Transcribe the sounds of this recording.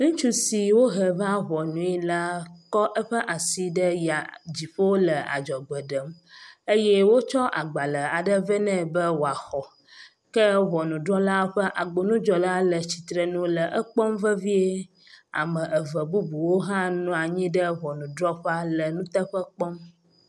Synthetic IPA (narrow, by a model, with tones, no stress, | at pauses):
nũ˦t͡ʃu˦si˨wo˦ɦə˨va˦βɔ˨nũ˨˦i˦la˦kɔ˦ʔə˦ɸə˦ʔa˨si˦ɖə˦ja˨d͡ʑi˨ɸo˦o˦lə˨a̰˨d͡ʒɔ˨ɡ͡bə˨ɖə˨˦mə˦jɛ˦wo˦t͡ʃɔ˦ʔa˨ɡ͡ba˨lə˨a˨ɖə˦və˦nɛ̃˦bə˦wo˨a˨xɔ˨ | kə˦βɔ˨nũ˨ɖɾɔ˦la˦ɸə˦ʔa˨ɡ͡bo˨nũ˦d͡ʒɔ˨la˦lə˨t͡ɕi̥˨t̪ɾə˨nũ˦lə˨ʔə˦k͡pɔ˦mvə˦vi˦e˦ | a̰˨mə̃˨ʔə˨və˨bu˦bu˨wo˦ɦã˦nũ˦a˨ɲĩ˦ɖə˦βɔ˨nũ˨dɾɔ˦ɸɛ˦a˦lə˨nũ˦t̪ə˦ɸə˦k͡pɔ˦m